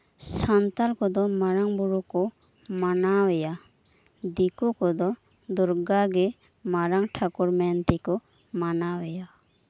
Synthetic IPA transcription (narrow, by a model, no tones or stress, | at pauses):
sant̪alkɔd̪ɔmaɾaŋbuɾukɔ | manawɛja | d̪ikukɔd̪ɔ | d̪ɔɾɡaɡɛ | maɾaŋʈʰakuɾmɛnt̪ikɔ | manawɛja